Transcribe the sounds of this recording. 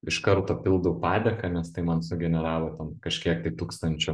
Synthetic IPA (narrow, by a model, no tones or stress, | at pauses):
ɪʃkɐɾt̪oːpʲɪlˠd̪ɐwʊpɑːd̪ʲɛkɐnʲɛst̪ɐɪmɐnsʊɡʲɛnʲɛɾɑːʋˠoːt̪ʲɛnkɐʃʲkʲiɛk̚t̪ɐɪt̪uːkst̪ɐnʲt͡ʃʲʊ